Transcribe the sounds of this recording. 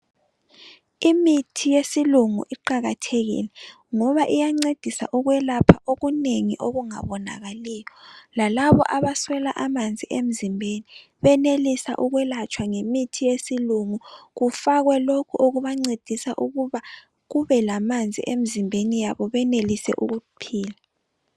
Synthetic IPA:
imitʰijesiluŋṵʔiǃaɣatʰeɣḭlɛ | ŋɔβaʔijaŋ͡ǀed̥ʱisa̰ʔuɣwɛlapʰaʔoɣuneŋiʔoɣuŋa̰βɔna̰ɣaliːjɔlalaβɔ̰ʔaβaswɛlaʔamand͡zʱiʔem̩zimbʱeni | βɛnelisa̰ʔuɣwɛlat͡ʃʰwaŋemitʰijesiluŋuɣufaɣwɛlokʰuʔoɣuβaŋ͡ǀed̥ʱisaʔuɣuβa | ɣuβɛlamand͡zʱḭʔem̩zimbʱenijaβɔβɛnelisɛ̰ʔuɣupʰiːla

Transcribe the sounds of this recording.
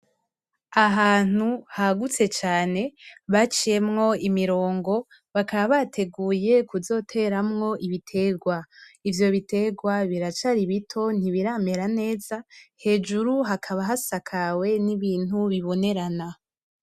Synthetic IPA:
aɦaːn̥uhaɡut͡se̞t͡ʃaːne̞βat͡ʃije̞mŋo̞imiɾo̞ːŋɡo̞ | βakaβaβatʰe̞ɡuːje̞kuzo̞tʰe̞ɾamŋo̞ʔiβitʰe̞ɡwaivjo̞βite̞ɡwaβiɾat͡ʃaɾiβitʰo̞n̥iβiɾame̞ɾane̞ːzahe̞ːd͡ʒuɾuɦakʰaβaɦasakʰawe̞niβiːnhuβiβo̞ne̞ɾana

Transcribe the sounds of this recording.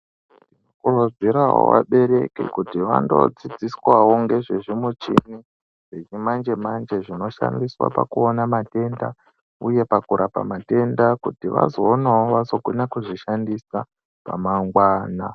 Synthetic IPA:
dinokurod͡ziɾawo̰ʋa̰ɓe̞ɾe̞kḭkutiʋa̰ndo̞̰d͡zid͡ziswawo̞ŋɡe̞ʐeʐimut͡ʃḭni | ʐet͡ʃimand͡ʒe̞mand͡ʒe̞ʐino̞ʃa̰ndiswa̰pa̰kuonamate̞nda̰ | uje̞pakuɾapa̰mate̞ndakutiʋa̰zo̞ːnaoʋazo̞ɡʱunakuʐiʃandisa | pa̰maŋɡwaːna

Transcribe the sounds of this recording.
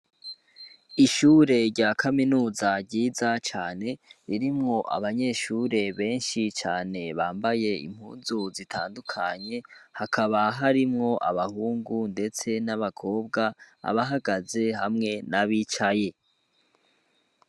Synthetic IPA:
iʃuːɾe̞ɾɟakʰaminuːzaɾɟiːzat͡ʃaːne̞ɾiɾimŋo̞ʔa̰βaɲe̞ːʃuːɾe̞βe̞ːnʃit͡ʃaːne̞βaːmbaje̞ḭm̥hṵːnzuzitʰa̰ːndukʰaɲe̞hakʰaβaɦaɾimŋo̞ʔaβahuːŋɡunde̞t͡se̞naβakʰo̞ːb̚ɡaa̰βaɦaɡaze̞hamŋe̞naβiːt͡ʃaje̞

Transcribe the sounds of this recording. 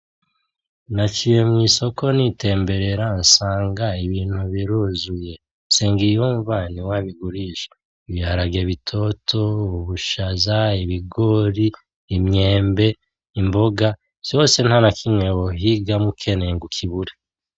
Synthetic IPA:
nat͡ʃijemŋiːso̞ko̞nite̞ːmbe̞ɾe̞ɾansaːŋɡaiβiːn̥huβiɾuzuje̞ | nse̞ːŋɡijuɱvaniwaβiɡuɾiʃe̥ | βihaɾaɡe̞βitʰo̞tʰo̞βuβuʃazaiβiɡo̞ɾiː | mɲe̞ːmbe̞ | imbo̞ɡa | t͡ʃo̞ːse̞n̥hanakʰimŋeβo̞ɦiɡamukʰe̞neŋɡukʰiβuɾe

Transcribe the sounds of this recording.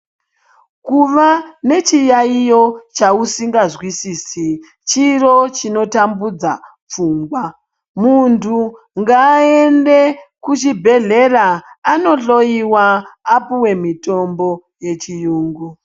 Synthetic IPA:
kuʋane̞t͡ʃijaijo̞t͡ʃausiŋɡazwisiːsi | t͡ʃiro̞t͡ʃino̞tambud͡za̰ | p͡fuːŋɡwa | muntʰu | ŋɡaːe̞nde̞kut͡ʃibʱe̞ɮe̞ɾaːno̞ɬo̞iwaːpuwe̞mito̞mbo̞ | je̞t͡ʃijuːŋɡu

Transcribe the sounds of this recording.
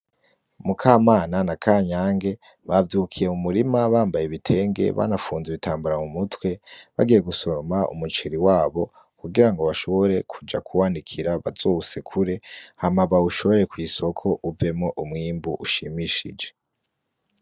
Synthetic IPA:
mukʰaːmaːnanakʰaːɲaːŋɡe̞ | βavjukʰije̞mumuɾimaβaːmbajeβitʰe̞ːŋɡe̞̰βa̰nafuːnzeβitʰaːmbuɾamumutwe̞βa̰ɡije̞ɡuso̞ɾomaʔṵmut͡ʃeɾiwaːβo̞ | kuɡiɾaŋɡo̞βaʃo̞βo̞ɾe̞kʰud͡ʒa̰kʰuwaːnikʰiɾaβa̰z̥oːse̞kʰuɾe̞hamaβauʃo̞βo̞ɾekwiːso̞kʰo̞ʔuve̞mŋo̞ʔumŋiːmbuʔuʃimiʃḭd͡ʒe̞

